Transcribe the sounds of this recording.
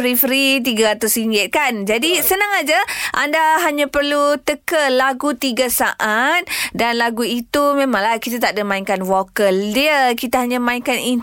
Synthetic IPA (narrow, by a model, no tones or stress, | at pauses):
ɾifɾit̪̬iɡaat̪ʊsiŋɡɪt̪̚kand͡ʒadisənaŋad͡ʒaʔandaɦaɲãpərlut̪əkəlaɡut̪iɡasaʔat̪̚danlaɡuit̪umẽmãŋlahkit̪at̪aʔdəmaiŋkanwokəldiəkit̪aɦaɲãmãiŋkanin